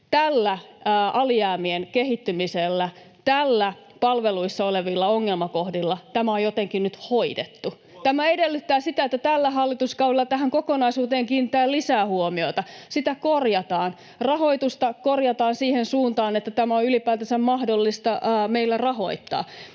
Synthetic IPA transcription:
t̪ælːæɑliæːmienkehit̪ːymiselːæ | t̪ælːæ | pɑlʋeluisːɑoleʋilːɑoŋːelmɑkohdilːɑt̪æmæojot̪eŋkinnyt̪hoidet̪ːu | t̪æmæedelːyt̪ːæːsit̪æet̪ːæt̪ælːæɦɑlːit̪uskɑuelːɑt̪æɦæŋkokonɑisuːt̪eːŋkiːnit̪ːˑæːlisæːhuomio̞it̪ɑsit̪ækorjɑt̪ɑːn | rɑɦoit̪ust̪ɑkorjɑt̪ɑːnsiːhensuːnt̪ɑːnet̪ːæt̪æmæoylipæːt̪æsæmmɑhdolːist̪ɑːmeilːærɑho̞̰it̪ːɑ̰ː

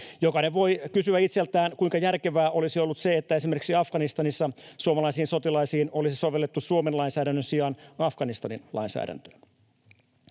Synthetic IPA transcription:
jokɑneʋo̞jkysyæit̪selt̪æːnkuiŋkɑjærke̞ʋæːʔo̞lisio̞lːut̪se̞et̪ːæe̞simerkiksiɑfɡ̥ɑnist̪ɑnisːɑsuomɑlɑisiːnso̞t̪ilɑisiːno̞lisiso̞ʋe̞lːet̪ːusuomenlɑinsæːdænːønsiɑnɑfɡ̥ɑnist̪ɑninlʔɑ̰insæ̰ːdæ̰nt̪ø̥ː

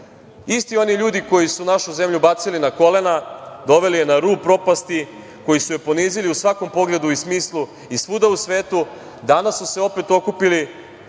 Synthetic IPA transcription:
ist̪io̞niʎuːd̪iko̞jisunaʃuze̞mʎubat̪silinako̞le̞nad̪o̞ʋe̞lijenaɾuːpɾo̞past̪i | ko̞jisuje̞po̞niːziliusʋako̞mpo̞ɡle̞d̪uismiːslˠu | isʋud̪ausʋe̞ːt̪u | d̪anasːuse̞o̞pe̞t̪o̞kupili

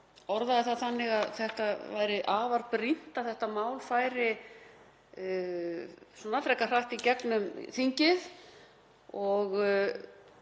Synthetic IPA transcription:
ɔɾðaðɪθaðθanːɪɣaðθɛht̪avaːjɾɪʔaːvaɾpɾin̥t̪aθɛht̪amaːwlfaːjɾɪ | sɔnat̪ɾɛhkːar̥aht̪icɛknʏmθiɲcɪð | ɔɣ

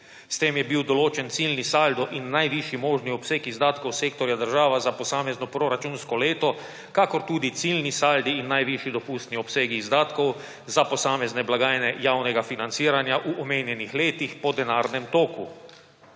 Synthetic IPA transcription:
st̪eːmjɛbiwd̪ɔloːt͡ʃɛnt̪silnisald̪ɔʔinːajʋiʃimoːʒniɔpseːkizd̪aːt̪kɔwseːkt̪ɔɾjad̪əɾʒaːʋazapɔsaːmɛznɔpɾoɾat͡ʃunskɔleːt̪ɔ | kakɔɾt̪uːd̪it̪silnisald̪iːnːajʋiʃid̪ɔpuːst̪niɔpseːɡiːzd̪aːt̪kɔw | zapɔsaːmɛznɛblaɡaːjnɛjawnɛɡafinant̪siːɾanjaʔuʔɔmeːnjɛnixleːt̪ixpɔd̪ɛnaːɾnɛmt̪oːku

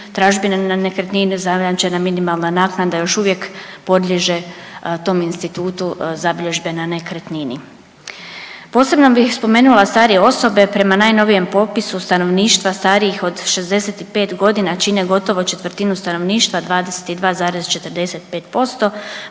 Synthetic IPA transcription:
t̪ɾaːʒbinananekɾet̪ninizaɾamt͡ʃe̞naminimalˠnanaːknad̪ajo̞ʃuʋje̞kpo̞d̪lʎʲe̞ʒe̞t̪o̞ːminst̪it̪uːt̪uzabiʎʲeʒbe̞nanekɾet̪nini | po̞ːse̞bno̞bixspo̞me̞ːnulˠast̪aːɾijeo̞so̞be̞pɾe̞manaːjno̞ʋije̞mpo̞pisust̪ano̞ʋniːʃt̪ʋast̪aːɾijixo̞d̪ʃe̞zd̪e̞set̪ipe̞ːt̪ɡo̞d̪inat͡ʃineɡo̞t̪o̞ʋo̞t͡ʃe̞t̪ʋɾt̪inust̪ano̞ʋniːʃt̪ʋad̪ʋaːd̪ese̥t̪id̪ʋaːzaːɾezt͡ʃe̞t̪əɾd̪e̞se̞t̪pe̞ːt̪po̞st̪o̞

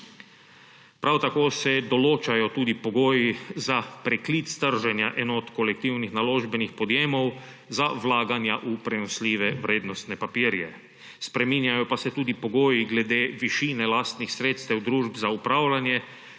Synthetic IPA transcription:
pɾawt̪akoːsɛd̪ɔloːt͡ʃajɔt̪uːd̪ipoɡoːjizapɾɛklit̪sst̪əɾʒɛnjaʔɛːnɔːt̪kolɛk̚t̪iwnixnaloːʒbɛnixpɔd̪jeːmɔw | zaʋlaːɡanjaʔupɾɛnɔsliːʋɛʋɾeːd̪nɔst̪nɛpapiːɾjɛ̰ | spɾɛmiːnjajɔpasɛt̪uːd̪ipoɡoːjiɡlɛd̪eːʋiʃiːnɛlaːst̪nixsɾeːt̪st̪ɛwd̪ɾuːʒbzaupɾaːwlʲanjɛ

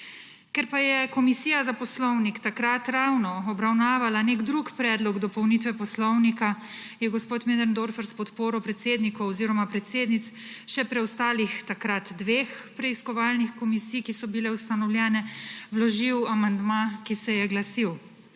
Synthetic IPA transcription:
kɛɾpajɛkɔmisiːjazapɔslɔwnikt̪akɾat̪ɾawnɔɔbɾawnaːʋalaneɡd̪ɾukpɾɛːd̪lɔɡd̪ɔpɔwnit̪ʋɛpɔslɔwnika | jɛɡɔspoːt̪med̪ɛɾnd̪oːɾfɛɾspɔt̪poːɾɔpɾɛt̪seːd̪nikɔwɔziːɾɔmapɾɛt̪seːd̪nit̪sʃɛpɾɛwst̪aːlixt̪akɾat̪d̪ʋeːxpɾɛiskɔʋaːlnixkɔmisiːjkisɔbilɛust̪anɔwljɛːnɛwlɔʒiwamand̪makisɛjɛɡlasiw

